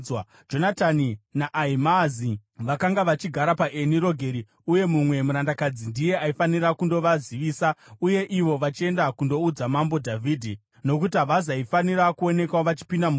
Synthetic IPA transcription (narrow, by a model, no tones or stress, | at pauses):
w | d͡ʒo̞nataninaʔaimaziʋakaŋɡaʋat͡ʃiɡʱaɾapaʔeniɾo̞ɡʱe̞ɾi | uje̞mumwe̞muɾandakad͡zindije̞aifanirakundo̞ʋaziʋiːsauje̞ʔiʋo̞ʋat͡ʃie̞ndakundo̞ud͡zamambo̞dʱavʱiːdʱi | no̞kutiɦaʋazaifaniɾakuo̞ne̞kaʋat͡ʃi̥pindamu